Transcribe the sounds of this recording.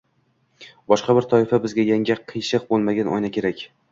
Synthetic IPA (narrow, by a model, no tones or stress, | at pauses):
bɒʃqɑbɪɾt̪ʰɒɪfabɪzɡʲajaŋɡʲɪqʰɨjʃɨq̚bolˠmaɡʲanɒ̰jnakʲʰe̞ɾakʲ